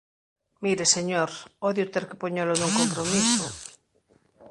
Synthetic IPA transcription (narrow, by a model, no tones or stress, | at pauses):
miɾeseɲoɾoðjot̪eɾke̥poɲelonuŋkompɾomiso